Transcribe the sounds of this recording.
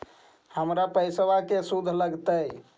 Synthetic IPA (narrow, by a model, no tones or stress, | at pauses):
həmɾapəɪsəbakesud̪ʱləɡt̪əj